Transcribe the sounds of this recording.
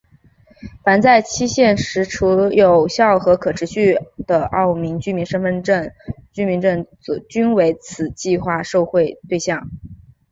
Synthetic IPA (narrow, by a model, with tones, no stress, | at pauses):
fa˧˥nt͡sa˥˩ɪt͡ɕʰi˥ɕjɛ˥˩nʂɻ̩˧˥ʈ͡ʂʰu˧˥jo˨˩ʊɕjɑ˥˩ʊxɤ˧˥kʰɤ˨˩ʈ͡ʂʰɻ̩˧˥ɕy˥˩d̪̥ə˩ɑ˥˩ʊmi˧˥ŋt͡ɕy˥mi˧˥ŋʂə˥nfə˥˧nʈ͡ʂə˥˩t͡ɕy˥mi˧˥nʈ͡ʂə˥˩nt͡su˨˩t͡ɕy˥nwe˧˥ɪt͡sʰɹ̩˨˩t͡ɕi˥˧xwa˥˧ʂo˥˧ʊxwe˥˧ɪt̪we˥˧ɪɕjɑ˥˩ŋ